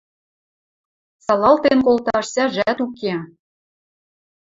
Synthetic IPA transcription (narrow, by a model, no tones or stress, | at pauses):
sɑlɑlt̪enkolˠt̪ɑʃsʲæʒæt̪uke